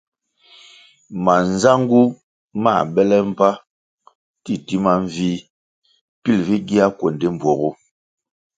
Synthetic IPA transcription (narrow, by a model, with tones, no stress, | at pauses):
ma˨n˨za˦ŋɡu˦ | ma˦˨bɛ˦lɛ˦m̩˦pa˦ | ti˦ti˦ma˦ɱ˦vi˦ | pi˦lvi˦ɡi˦a˦kwɔ˨nde˦m˨bwɔ˨ɣo˦